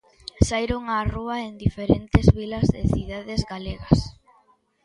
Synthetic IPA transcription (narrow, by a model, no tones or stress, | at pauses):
sajɾoŋaruɐend̪ifeɾent̪ezβilɐzðɪθiðaðezɣaleɣɐs